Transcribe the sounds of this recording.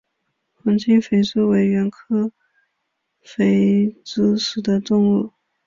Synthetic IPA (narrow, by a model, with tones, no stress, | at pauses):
xwə˧˥ŋt͡ɕʰi˥ŋfe˧˥ɪʈ͡ʂ̩˥we˧˥ɪɥɛ˧˥nkʰɤ˥ | fe˧˥ɪʈ͡ʂ̩˥ʂɻ̩˨˩d̪ə˦ʈ͡ʂʊ˥˧ŋu˥˩